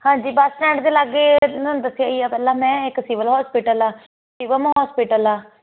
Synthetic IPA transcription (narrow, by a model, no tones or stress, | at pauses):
hãːɲd͡ʒiːbəsnɛ̃ːɳʈd̪eːlaɡːeːnənd̪əsɪjaːiːaːpɛːlãːmɛ̃ːɪksiːʋəlɦɔːspiːʈəlaː | siːʋəlmːɦɔːspiːʈəlaː